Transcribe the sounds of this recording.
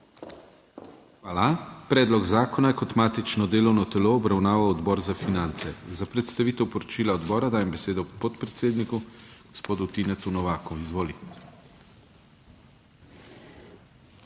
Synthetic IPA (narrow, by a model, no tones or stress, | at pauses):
xʋaːlapɾɛːd̪lɔɡzaːkɔnajkɔt̪maːt̪it͡ʃnɔd̪eːlɔwnɔt̪ɛloːbɾawnaːʋawɔd̪bɔːɾzafinant̪sɛzapɾɛt̪st̪aʋiːt̪ɛwpɔɾɔt͡ʃiːlaɔd̪bɔːɾad̪aːjɛmbɛseːd̪ɔpɔt̪pɾɛt̪seːd̪nikuɡ̥ɔspoːd̪ut̪inɛt̪unɔʋaːkuizʋoːli